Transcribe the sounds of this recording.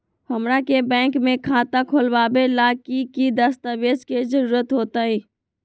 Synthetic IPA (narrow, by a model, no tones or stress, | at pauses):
həmɾakebɛ̃ːŋkmẽkʰaːt̪akʰolʋaːbelaːkikid̪əst̪aʋeːd͡ʒkezəɾuːɾət̪ɦoːt̪aːiː